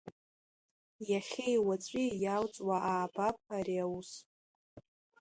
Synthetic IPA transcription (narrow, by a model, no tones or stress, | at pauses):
jaχʲejwat͡sʷʼijawt͡sʼwaʔaːbapʰaɾiawus